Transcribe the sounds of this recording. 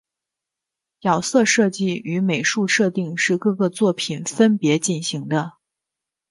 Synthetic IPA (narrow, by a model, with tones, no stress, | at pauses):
jɑ˨˩ʊsɤ˥˧ʂɤ˥˧t͡ɕi˥˩y˧˥me˨˩ɪʂu˥˧ʂɤ˥˧t̪i˥˧ŋʂɻ̩˥˧kɤ˥˧ɡə˧t͡swɔ˥˩pʰi˨˩nfə˥npjɛ˧˥t͡ɕi˥˩nɕi˧˥ŋd̪ə˧